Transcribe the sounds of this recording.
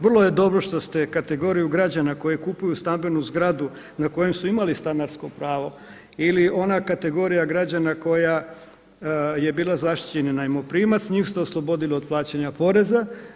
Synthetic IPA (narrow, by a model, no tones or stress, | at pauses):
ʋr̩lˠoje̞d̪o̞bɾo̞ʃt̪ost̪ekat̪e̞ɡo̞ːɾijuɡɾad͡ʑanako̞jekupujust̪ambe̞nuzɡɾad̪u | nako̞je̞msuimalist̪anaɾsko̞pɾaːʋo̞ | ilio̞nakat̪e̞ɡo̞ːɾijaɡɾad͡ʑanako̞ja | je̞biːlˠazaʃt̪i̥t͡ɕeninaimopɾiːmat̪sɲiːmst̪eoslˠo̞bo̞d̪iliod̪̚plˠaːt͡ɕaɲapo̞ɾe̞za